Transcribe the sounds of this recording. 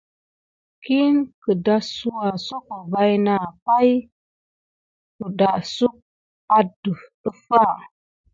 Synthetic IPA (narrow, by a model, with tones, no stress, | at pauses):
ki˦nkə˨da˦su˦wa˨so˦ko˨ba˦jna˨pa˦j | ku˨da˨su˦k̚ | a˦də˨ | ə˦fa˦˨